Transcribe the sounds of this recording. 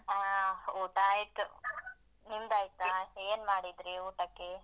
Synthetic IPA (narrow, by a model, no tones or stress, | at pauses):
auːʈaːjt̪u | nimd̪aːjt̪aɐeːnmaːɽid̪ɾiuːʈɐkːe